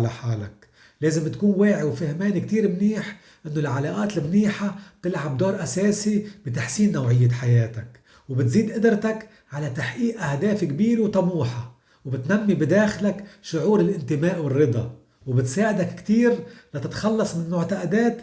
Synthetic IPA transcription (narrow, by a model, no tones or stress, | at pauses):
la̰ħaːla̰k | leːzɪmt̪kuːnweːʕiwfɪhmeːnikt̪iːɾmniːħ | ʔɪnːolʕalaːʔaːt̪ɪlmniːħab̥̚t̪ɪlʕab̚d̪oːɾˤʔaseːsibɪt̪aħsiːnːawʕɪjːaħajeːt̪ak | wbɪt̪ziːd̪ʔɪd̪ɾt̪ak | ʕalat̪aħʔiːʔʔahd̪aːfikbiːɾwt̪ˤɑmuːħa | wbɪt̪namːibɪd̪aːxlakʃʊʕuːɾɪlʔɪnt̪ɪmaːʔwɪrːɨd̪ˤɑ | wbɪt̪saːʕɪd̪akkt̪iːɾlat̪ɪt̪xɑlːɑsˤmɪnmʊʕt̪aʔad̪eːt̪